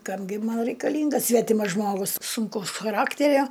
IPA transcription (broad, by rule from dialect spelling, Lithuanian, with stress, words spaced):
ˈkɐm ɡʲɪ ˈmɐn rʲɛɪkɐˈlʲiːŋɡɐs ˈsʲʋʲæːtʲɪmɐs ˈʒmoːɡʊs sʊŋˈkɐʊs xɐˈrɑːktʲɛrʲoː